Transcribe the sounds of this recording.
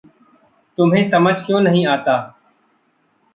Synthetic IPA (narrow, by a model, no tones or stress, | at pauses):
t̪ʊmɦẽːsəməd͡ʒʱkjõːnəɦĩːaːt̪aː